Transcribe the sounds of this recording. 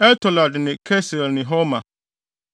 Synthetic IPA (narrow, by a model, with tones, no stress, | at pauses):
ɛ˦tʰɔ˨la˨dnɪ̃˨kʰɛ˦sɛ˨lnɪ̃˨ɦɔ˦mã˨